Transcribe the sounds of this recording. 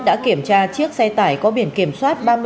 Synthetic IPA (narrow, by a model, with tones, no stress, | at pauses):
ɗa̰ː˧˥ki˧˩əmt͡ɕaː˧t͡ɕɨ˦˥ək̚sɛ˧t̪aː˧˩jkɔ˨˦ɓi˧˩ənki˧˩əmswaː˦˥t̚ɓaː˧m˧